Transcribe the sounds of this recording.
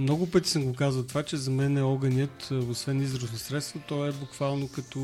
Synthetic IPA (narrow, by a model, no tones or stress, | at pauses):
mnɔɡʊpət̪ʲi̥sɐmɡokazvɐt̪vat͡ʃɛzɐmɛnɛɔɡɐnʲjət̪osvɛnizɾosnosɾɛt̪st̪vət̪ɔɛbʊkvalˠnokɐt̪ɔ